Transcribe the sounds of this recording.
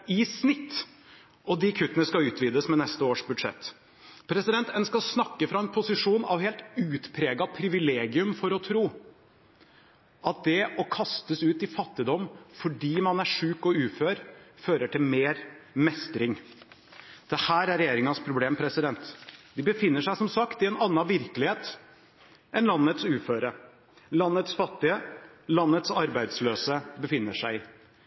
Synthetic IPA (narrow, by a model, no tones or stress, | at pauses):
ɪsnɪt̪ː | ɔd̪ɪkʰʉt̪ːənəskɑʉːt̪ʰʋiːd̪əsmɛnɛst̪əoːʂbʉd̪ʂɛ̰t̪ː | pʰɾɛsɪd̪ɛnt̪ənskɑsnɑkːəfɾɑɛnpʰʊsɪʂuːnɑ̰ʋheːlt̪ʉːt̪pʰɾeːɡɑpʰɾɪʋɪleːɡɪʉmfɔɾɔt̪ʰɾuː | ʔɑt̪̚d̪ɛɔkʰɑst̪əsʉːt̪ɪfɑt̪ːɪd̪ɔmːfɔɖiːmɑnæʂʉːkɔʉːføːɾføːɾəʈʰɪlmeːɾmɛst̪ɾɪŋ | d̪̥ɛhæːɾæɾɛjeːɾɪŋɑnspʰɾʊbleːmpʰɾɛsɪd̪ɛnt̪d̪ɪbəfɪnːəʂæɪsɔmsɑkt̪ɪɛnɑnːɑʋɪɾkəlɪheːt̪ | ʔɛnlɑnːət̪sʉːføːɾə | lɑnːət̪sfɑt̪ːɪə | lɑnːət̪sɑɾbæɪd̪sløːsəbəfɪnːəʂæɪɪ